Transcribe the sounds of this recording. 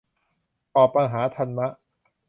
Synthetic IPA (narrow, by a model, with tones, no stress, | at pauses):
ʔɔː˨˩pa˧ŋɦaː˩˦t̪ʰa˧nma˦˥ʔ